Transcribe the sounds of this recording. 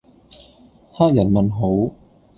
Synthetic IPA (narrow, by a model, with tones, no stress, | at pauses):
haː˥k̚jɐ˨˩nmɐ˨nɦo˨˥w